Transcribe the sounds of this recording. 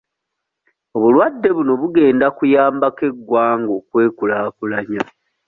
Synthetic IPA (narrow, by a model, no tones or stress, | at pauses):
oβulwadːe̞βuno̞βuɡe̞ːndakujaːmbake̞ɡwaːŋɡo̞kwe̞ːkulaːkulaɲa